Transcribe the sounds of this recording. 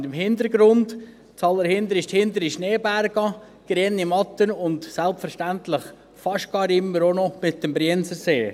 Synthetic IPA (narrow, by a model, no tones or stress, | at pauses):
dəmɦɪndəɾɡɾʊnd | t͡sɑləɾhɪnd̪əɾɪʃthɪnd̪əɾiʃneːbæɾɡ̥ɑ | ɡ̥ɾeːnːimɑtənʊndsɛlpfəɾʃtæntlɪχ | fɑʃt̚ɡ̥ɑːɾɪmːəɾonɔmɪt̚d̥əmbɾiːnsəɾseː